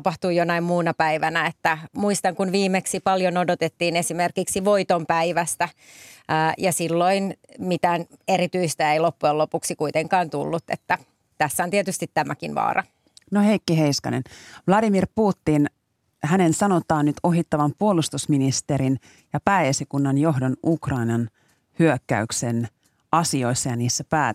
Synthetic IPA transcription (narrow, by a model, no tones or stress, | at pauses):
pɑht̪uːjjonɑimmuːnɑpæiʋænæet̪ːæmuist̪ɑŋkunʋiːmeksipɑljonodot̪et̪ːiːnesimerkiksiʋoit̪ompæiʋæst̪æəːjɑsilːoinmit̪æneɾit̪yist̪æeilopːuelopuksikuit̪eŋkɑːnt̪ṵlːut̪ːḛt̪ːæ | t̪æsːæont̪iet̪yst̪it̪tæmækinʋɑ̰ːrʔɑ̰ | noheikːiɦeijskɑ̰nenʋlɑdimirpuːt̪ːin | hænensɑnot̪ɑːnːyt̪oɦit̪ːɑʋɑmpuolust̪usminist̪eɾin | jɑpæːesikunːɑnjo̞ɦdonukrɑinɑn | hyøkːæ̰yksen | ɑsio̞isːɑjɑniːsːæpæː